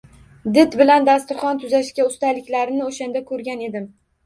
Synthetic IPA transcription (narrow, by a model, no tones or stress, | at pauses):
d̪ɪt̪bɪland̪ast̪ɪχɒnt̪ʰʊzaʃkʲaʊst̪alɪkʲlaɾɪnɪoʃand̪akʰɵɾɡʲane̞d̪ɪm